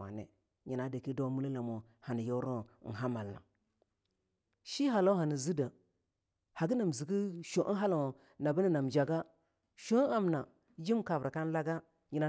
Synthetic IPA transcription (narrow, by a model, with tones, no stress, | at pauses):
a̰˨nḛ˨ | ɲi˨na˨da˨ki˦do˦mu˦la˦la˨mo˨ | ha˨ni˨jo˦ɾo˦˨ɦa˦ma˨lːa̰˨ | ʃi˦ɦa˨lo˦ɦa˨ni˨zi˦da˨ | ha˨ɡi˦na˨m˨zi˨ɡi˦ʃo˨ʔɦa˦la˨ | na˨bə˦ni˦na˨md͡ʒa˨ɡa˦ | ʃo˦a˦mna˨ | d͡ʒi˦mka˨vɾa˨ka˦n˦la˦ɡa˦ | ɲi˨na˨˦